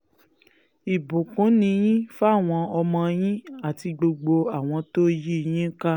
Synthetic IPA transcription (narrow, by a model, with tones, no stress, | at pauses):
i˨bũ˨kũ˨˦nĩ˧j̃ĩ˦fa˦a˦˨w̃ɔ̃˧ɔ˧mɔ̃˧j̃ĩ˦a˦˨ti˧ɡ͡bo˧ɡ͡bo˧a˨w̃ɔ̃˧to˦ji˦˧j̃ĩ˦ka˦